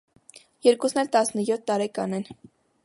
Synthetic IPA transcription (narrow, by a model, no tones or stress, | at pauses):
jɛɾkusnɛlt̪ɑsnəjɔt̪ʰːɑɾɛkɑnɛn